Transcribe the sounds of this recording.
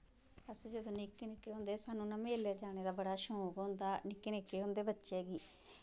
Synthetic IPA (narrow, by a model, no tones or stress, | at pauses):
əsːd͡ʒəd̪õːnɪkːnɪkːeːɦõːnd̪eːsaːnũːnə̃meːljaːd͡ʒaːñeːd̪aːbəɽaːʃõːkɦõːnd̪aːnɪkːenɪkːeːɦõːnd̪eːbətːʃeːɡiː